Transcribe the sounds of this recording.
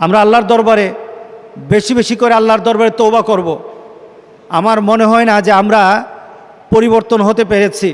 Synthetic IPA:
amɾaalːaɾd̪ɔɾbaɾe | beʃibeʃikoɾealːaɾd̪ɔɾbaɾet̪owbakoɾbo | amaɾmoneɦɔenad͡ʑeamɾa | poɾiboɾt̪onɦot̪epeɾet͡ɕʰi

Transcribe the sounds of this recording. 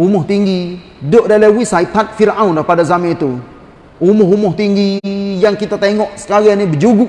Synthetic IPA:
umɔht̪iŋɡi | doʔdalawisait̪at̪̚fiɾʔãundapadazamɛt̪u | umɔɦumɔht̪iŋɡijaŋkit̪at̪aŋɔʔsə̥kaɣianibəd͡ʒuɡuʔ

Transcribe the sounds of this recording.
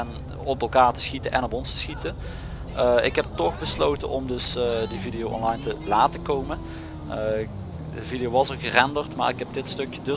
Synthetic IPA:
ɛn | ɔpɛlˠkaːɹtə̥sxitənʔɛ̰nɔpɔnstə̥sxitən | ɪ̰kɦɛp̚tɔxbəslowtə̰nʔɔmdɵsdividijowʔɔ̰nlɑjntəlaːtəkowmən | dəvidijowʋɑsəɣərɛndərtma̰ːɹɪkɦɛp̚dɪtstɵkjədɵ

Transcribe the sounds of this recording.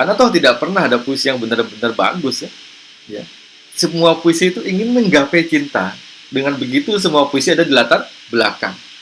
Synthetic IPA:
karnat̪ɔht̪idaʔpərnahadapoisijaŋbənərbənərba̰ɡʊsa | ja̰ | səmuapoisiːt̪uʔiŋɪnməŋɡapajt͡ʃint̪a | dəŋanbəɡit̪us̬əmuapoisiadadilat̪ar | bəla̰ka̰ŋ

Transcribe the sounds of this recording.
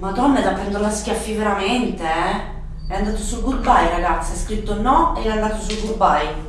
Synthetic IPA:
mad̪ɔnːad̪apːɾɛnd̪olaskʲjafːiveɾament̪eɛ | ɛand̪aːt̪osulkulbajɾaɡat̪sːaskɾit̪ːonɔeɛand̪aːt̪osulɡurbaj

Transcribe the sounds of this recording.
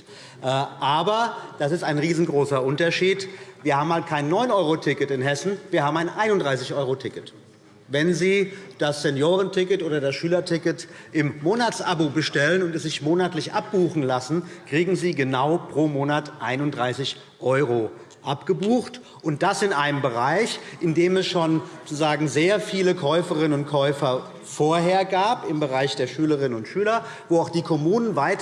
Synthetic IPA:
ʔɛʔaːbɐd̥asɪstaɪnʁiːzn̩ɡʁoːsɐʔʊntɐʃiːtv̥iːɐhaːbmhalt̚kʰaɪnːɔʏnʔɔʏʁotʰɪkətɪnɦɛsn̩viːɐhaːbmaɪnʔaɪnʊntd̥ʁaɪsɪçʔɔʏʁotʰɪkət | vɛnziːd̥asz̥ɛnjoːʁəntʰɪkətʔoːdɐdasʃyːlɐtʰɪkətʔɪmːoːnat͡sʔabobəʃtɛlənʊntɛsz̥ɪçmoːnatlɪçʔa̰p̚b̥uːxn̩lasn̩kʁ̥iːɡŋ̩ziːɡənaʊpʁ̥oːmoːnatʔaɪnʊntd̥ʁaɪsɪç | ʔɔʏʁ̞o | ʔapɡ̥əbuːxt | ʔʊnt̚d̥asɪnʔaɪnəmbəʁaɪçʔɪndeːmɛsʃoːnzot͡suzaːɡŋ̩zeːɐfiːləkʰɔʏfəʁɪnənʊnt̚kʰɔʏfɐ | foːɐɦeːɐɡaːpɪmbəʁaɪçd̥eːɐʃyːləʁ̞ɪnənʊntʃyːlɐ | voːaʊxd̥iːkʰɔmuːnənvaɪt

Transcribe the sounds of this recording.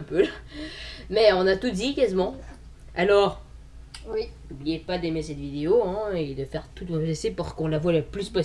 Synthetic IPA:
pøl | mɛɔ̃nat̪ud̪ikazimɑ̃ | alɔːʁ | nublijepad̪emesɛt̪vid̪eoɛ̃ed̪əfɛʁt̪ut̪mɔlesepuʁkɔ̃lavwaləplyspɔ

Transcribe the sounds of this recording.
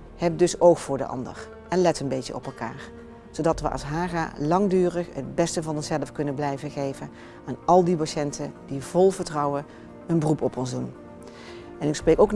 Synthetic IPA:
hɛp̚dɵsowxfʊːɹdə̰ʔɑ̰ndə̰r | ɛnlɛtənbejtə̰ʔɔpɛlˠka̰ːɹ | z̥owdɑtʋə̰ʔɑ̰sɦaːɣa̰lɑŋdyːrəχə̰d̚bɛstəvɑnɔnsɛləfkɵnəblɛjvəɣejvən | aːnɑlˠdipaʃɛntʰədivɔlˠvəɹtrɑwə | ənbərupɔpɔnzdun | ɛnɪksprejkowk

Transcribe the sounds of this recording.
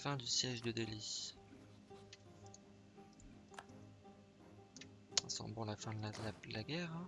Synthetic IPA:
fɛ̃d̪ysjɛʒd̪əd̪eli | ɛ̰̃sɑ̰̃bɔ̃lafɛ̃d̪lad̪laəlaɡʲɛʁ̃

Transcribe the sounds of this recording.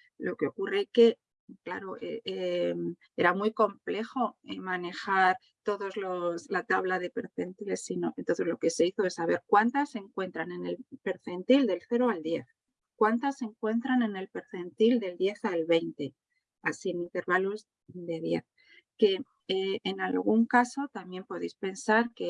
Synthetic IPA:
lo̞keo̞kureke̞ | kla̰ɾo̞ʔeem | e̞ɾamujko̞mple̞xo̞emãne̞xaɾ | t̪o̞ðo̞zloslat̪aβlaðe̞pe̞ɾθe̞nt̪ile̞sːinoʔent̪oθe̞zlo̞ke̞se̞iθo̞esaβ̞e̞ɾkwant̪ase̞ŋkwe̞nt̪ɾanene̞lpe̞ɾθe̞nt̪ild̪e̞lθe̞ɾoald̪je̞θ | kwant̪ase̞ŋkwe̞nt̪ɾane̞ne̞lpe̞ɾθe̞nt̪ild̪e̞ld̪je̞θalβe̞jnt̪e̞ | asienĩnt̪e̞ɾβaloz | d̪e̞ðje̞̰θ | ke̞ | eːnalɣ̞uŋkaso̞t̪amje̞mpo̞ðejspe̞nsaɾke

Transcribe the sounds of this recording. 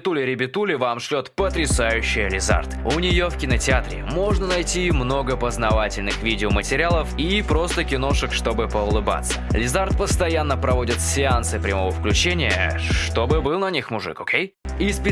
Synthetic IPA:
t̪ulʲɪɾʲɪbʲɪt̪ulʲɪvamʂlʲot̪pət̪ɾʲɪsajʉɕːɪjəlʲɪza̰rt̪ʊnʲɪjo̞fkʲɪnətʲɪat̪ɾʲɪ̰mo̞ʐnənɐjtʲimno̞ɡəpəznɐvatʲɪlʲnɨxvʲidʲɪomətʲɪɾʲɪalˠəfipɾo̞st̪əkʲɪno̞ʂɨkʂt̪o̞bɨpəʊlˠɨba̰t̪sːə̥lʲɪzart̪̚pəst̪ɐjanːəpɾɐvo̞dʲɪt̪sʲɪansɨpɾʲɪmo̞vəfklʲʉt͡ɕenʲɪjə̰ʂt̪o̞bɨbɨlˠnɐnʲixmʊʐɨ̰kokʲej | ɪspʲɪ

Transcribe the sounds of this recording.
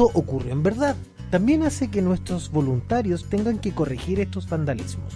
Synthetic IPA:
oʔokureembeɾðað | t̪ambje̞nasekenwe̞st̪ɾozβo̞lunt̪aɾjost̪e̞ŋɡaŋkeko̞rixiɾest̪ozband̪alḭzmo̰s

